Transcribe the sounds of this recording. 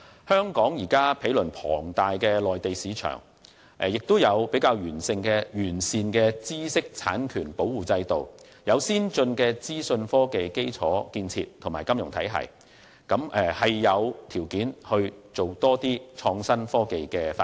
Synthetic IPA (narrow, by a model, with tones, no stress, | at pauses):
hœː˥ŋkɔː˨˥ŋjiː˨˩kaː˥pʰe˨˥jlɵ˨˩npʰɔ̰ː˨˩ŋt̪aː˨jkɛː˧lɔː˨jt̪e˨jsiː˨˧t͡ʃʰœ̰ː˨˩ŋ | ʔɛ˨jɪ˨k̚t̪o˥wjɐ˨˧wpe˨˥jkaː˧wjyː˨˩nsɪ˧ŋkɛː˧jyː˨˩nsiː˨nkɛː˧t͡siː˥sɪ˥k̚t͡sʰa̰ː˨˥nkʰyː˨˩npo˨˥wwuː˨t͡sɐ˧jt̪o˨w | jɐ˨˧wsiː˥nt͡sɵ˧nkɛː˧t͡siː˥sɵ˧nfɔː˥ke˨jke˥jt͡sʰɔː˨˥kiː˧nt͡sʰḭː˧tʰːŋmaː˨˩jkɐ˥mjʊ˨˩ŋt̪ʰɐ˨˥jɦɐ̰˨˩j | kɐ˨˥mʔɛ˨˩hɐ˨jːɐ˨˧wt̪ʰiː˨˩wkiː˨˥nhɵ˧ɥt͡so˨wt̪ɔː˥t̪iː˥t͡ʃʰɔː˧ŋsɐ˥nfɔː˥ke˨jkɛː˧fa˧˥